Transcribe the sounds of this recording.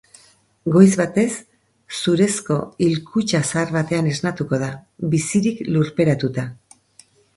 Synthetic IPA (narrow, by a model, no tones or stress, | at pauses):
ɡo̞jzβat̪e̞sː | uɾe̞sko̞ilkut͡ʃasaːɾβat̪e̞ane̞znat̪uko̞ð̞aβisiɾikluɾpe̞ɾat̪ut̪a